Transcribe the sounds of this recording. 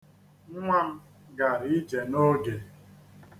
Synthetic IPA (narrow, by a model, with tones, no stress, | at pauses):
ŋ̩˦ŋʷa˦˨m̩˦ | ɡa˨ɾi˦d͡ʒe˨no˦ɡe˨